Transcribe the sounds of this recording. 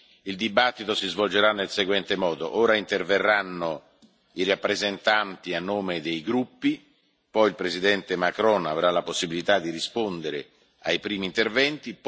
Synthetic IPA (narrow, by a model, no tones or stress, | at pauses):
ild̪ibat̪ːit̪osizvold͡ʒeɾanːelseɡwɛnt̪emɔːd̪oʔoːɾaint̪erverːanːo | irapːɾezent̪ant̪ianːoːmed̪ejɡɾupːi | pɔjilpɾezid̪ɛnt̪emakɾɔna̰vɾalaposːibilit̪ad̪ːiɾispond̪eɾe | ajpɾiːmiːnt̪ervɛnt̪ip